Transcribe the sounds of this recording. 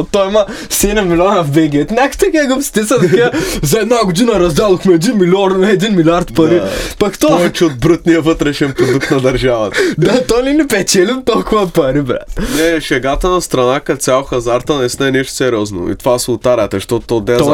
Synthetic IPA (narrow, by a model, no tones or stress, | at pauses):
t̪ojimɐ | sɛnɛmːilʲionɐvbɛɡʲiɐt̪nʲakt̪ɐkaɡofst̪isɐt̪ɐkazɐɛd̪naɡʊd̪inɐɾɐzd̪ɛlˠoxmɛɛd̪inmilʲioɾmɛɛd̪inmilʲiaɾt̪pɐɾipɐkt̪oɔvɛt͡ʃiod̪̚bɾət̪nijɐvət̪ɾɛʃɛnpɾod̪uk̚t̪nɐd̪ɐɾʒavɐt̪d̪at̪ɔjninɛpɛt͡ʃɛlimt̪olˠkʊvɐpɐɾibɾa̰t̪nnɛʃɛɡat̪ənɐst̪ɾɐnakɐt̪sʲjalxɐzaɾt̪ənɛsnɛnɛʃt̪ʊ̥sɛɾʲɔzno̰ḭt̪ovasʊt̪aɾʲət̪zɐʃt̪ot̪t̪od̪ɛ